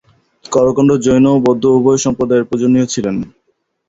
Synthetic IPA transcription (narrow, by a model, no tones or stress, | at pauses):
kɔɾokoɳɖod͡ʑojnobɔd̪ʱːoubʱɔjʃɔmpɾod̪aeɾpɾod͡ʑonːiot͡ɕʰilen